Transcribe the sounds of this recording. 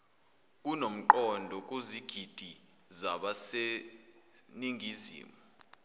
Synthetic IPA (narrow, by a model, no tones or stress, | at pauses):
k̬unom̩ǃɔndʱɔk̬ʼoziɡ̥ʱid̥ʱi | zaɓase | niŋizḭːmu